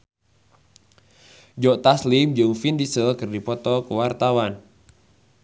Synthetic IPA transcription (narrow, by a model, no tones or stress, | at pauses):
d͡ʒɔʔt̪aslimd͡ʒɨŋfindisəlkɨrdipɔt̪ɔkuwart̪awan